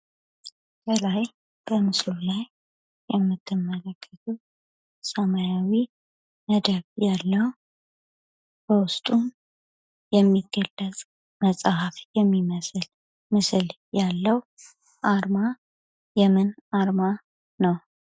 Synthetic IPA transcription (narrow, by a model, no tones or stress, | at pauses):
t̪əlaj | b̥əmɨslulaj | jɛmːɨt̪ʰːɨmːələkʰːət̪ʰu | səmajawi | məd̪əβjalːəhu | b̥əwʊst̪ʼun | jɛmːiɡːəlːət͡sʼ | məsʼhafjɛmːiməsl | mɨsɨl | jalːəw | ʔaɾma | jɛmɨnaɾma | nəw